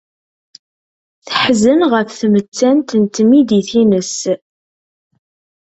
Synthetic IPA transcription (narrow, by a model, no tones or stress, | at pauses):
θəħzənʁəfθmət͡sːænt̪ənt̪mid̪iθinəs